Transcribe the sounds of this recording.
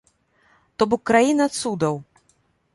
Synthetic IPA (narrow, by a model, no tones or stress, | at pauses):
t̪ɔbɔkːɾajinɐat̪sud̪ɐw